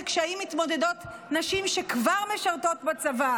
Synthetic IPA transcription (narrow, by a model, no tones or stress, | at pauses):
kʃaimit̪mo̞de̞dot̪ | naʃimʃe̞kvaʁme̞ʃaʁto̞t̪bat͡sava